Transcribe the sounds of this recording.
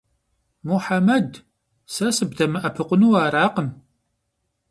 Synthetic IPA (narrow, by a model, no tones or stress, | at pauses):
muħamɐd | sɐsɨbdɐmɨʔɐpʰɨqʷʊnuːaːɾaːqən